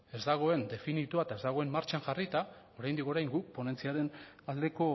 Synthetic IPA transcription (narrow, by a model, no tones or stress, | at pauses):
e̞zd̪aɣ̞o̞e̞nd̪e̞finit̪uaet̪ae̞zd̪aɣ̞o̞e̞mːaɾt͡ʃaŋʝarit̪ao̞ɾajnd̪iko̞ɾajŋɡuk̚po̞ne̞nt͡siaɾe̞nald̪e̞ko̞